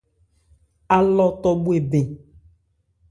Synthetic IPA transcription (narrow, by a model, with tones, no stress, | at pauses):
a˨lɔ˦t̪ɔ˦bu˦e˨be˨